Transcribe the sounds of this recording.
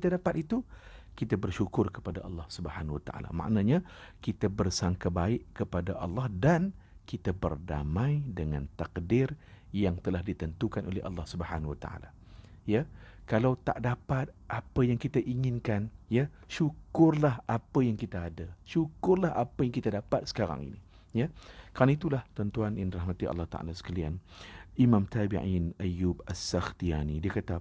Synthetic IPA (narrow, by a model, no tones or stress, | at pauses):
t̪adapat̪it̪ukit̪abərʃukʊrkəpadaʔɑ̰lːɑhsubəhanwat̪a̰ʔa̰la̰mã̰ʔnãɲãkit̪abərsaŋkabaɪʔkəpadaʔɑlːɑhdankit̪abərda̰mãjdəŋa̰nt̪akdɪrjaŋt̪əlahdit̪ənt̪ukanʔolḛhʔɑ̰lːɑhsubəhanwat̪a̰a̰la̰ | jakalawt̪a̰ʔdapat̪̚ʔapəjaŋkit̪aʔiŋɪnkanja | ʃukʊrlaɦʔapəjaŋkit̪aːdaʃukʊrlaɦapəjaŋkit̪adapat̪̚sə̥kaɾa̰ŋḭni | jakəɾanait̪ulaht̪ənt̪uanʔanraɦmãt̪iɑ̰lːɑht̪a̰ʔa̰lasə̥kalianimãmt̪abiʔɪnajubasaxt̪ia̰nidiakat̪a